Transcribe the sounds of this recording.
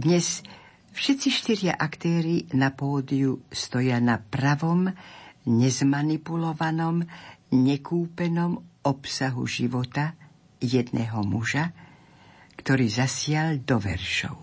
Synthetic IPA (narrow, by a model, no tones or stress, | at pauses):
d̪ɲɛs | fʃɛt̪t͡siʃt̪iɾɪa̰ʔakt̪ɛːɾinapɔːd̪iust̪ɔjanapɾaʋɔmɲɛzmanipulɔʋanɔmɲɛkuːpɛnɔmɔpsaɦṵʒiʋɔt̪a | jɛd̪nʔɛɦɔmuʒa | kt̪ɔɾiːzasɪald̪ɔʋɛ̰ɾʃɔ̰ʊ